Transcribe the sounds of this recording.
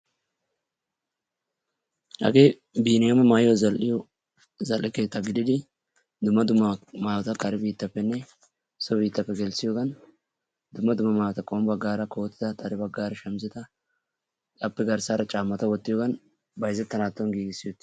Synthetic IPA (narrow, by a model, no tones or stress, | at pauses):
hɐ̰ɡeː | biːnɪjɐmɐmaːjjɔzɐlʔɪjɔ | zɐlʔɪke̞ːt̪ːɐɡɪd̪ɪd̪ɪ | d̪ʊmːɐd̪ʊmːɐmaːwɔt̪ɐkʰʼɐɾɪbiːt̪ːɐpːɛnːɛ | sɔbiːt̪ːɐpːɛɡɛlsɪjoːɡɐn | d̪ʊmːɐd̪ʊmːɐmaːwɔt̪ɐkʼoːmbɐɡːaːɾɐkʰo̞ːt̪ːɪ̥t̪ɐt̪ʼɐɾɪbɐɡːaːɾɐʃɛmzɪt̪ɐ | kʼɐpːɛɡɐɾsaːɾɐt͡ʃʼaːmːɐt̪ɐwɔt̪ːɪjoːɡɐn | bɐjzɛt̪ːɐnaːt̪ːɔnɡiːɡɪsːɪjot̪ːɪ̥